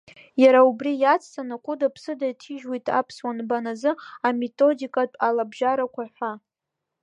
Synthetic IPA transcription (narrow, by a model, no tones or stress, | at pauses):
jaɾaubrijat͡sʰʼtʰʼanakʷʰʼʊdapʰsɨdajtʰiʒwijtʼʰa̰pʰswanbanazɨame̞tʼo̞dikʼatʼalabʒaɾakʷʰaħʷa